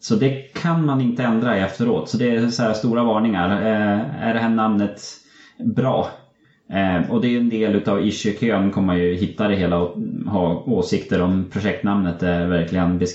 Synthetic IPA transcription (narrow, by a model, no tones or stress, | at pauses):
sɔd̪ɛkʰanmanɪnt̪əɛnd̪ɾaɛft̪əɾo̰ːt̪sɔd̪ɛːsɔæːɾst̪uːɾavɑːɳɪŋaɾ | æ̰ɖɛɦæːɳamnət̪ | bɾɑ̰ː | ɔd̪ɛːjɵɛnd̪eːlʉ̟ːt̪avɪʂʏɾkʰøːnkʰɔmːanjɵɦɪt̪ːad̪ɛɦeːlaɦɑːoːsɪkt̪əɾɔmpʰɾʊɧɛk̚t̪namnət̪ævæɾklɪɡənbɛ